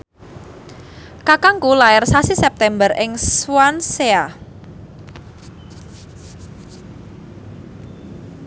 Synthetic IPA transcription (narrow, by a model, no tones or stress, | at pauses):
kakaŋkulaɪrsasisɛp̚t̪ɛmbərʔɪŋswansea